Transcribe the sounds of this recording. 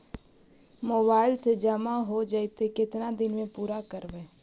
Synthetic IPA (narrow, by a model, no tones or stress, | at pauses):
moːbaːɪlsed͡ʒəmaɦod͡ʒəɪt̪ekɪt̪nad̪ɪnmẽpuːɾakəɾʋeː